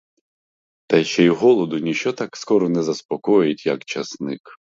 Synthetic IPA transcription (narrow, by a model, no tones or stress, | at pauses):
t̪ɐʃt͡ʃɛjɦɔlˠɔd̪ʊnʲit͡ʃt͡ʃɔt̪ɑkskɔɾɔnɛzɐspɔkɔjʊɪtʲjɐkt͡ʃɐsnɪk